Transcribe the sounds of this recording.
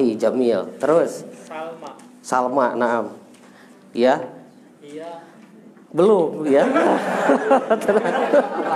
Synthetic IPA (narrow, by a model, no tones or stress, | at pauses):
id͡ʒamilt̪əɾʊs | salmaʔnaʔam | ja | bəlʊmja | t̪ʰəna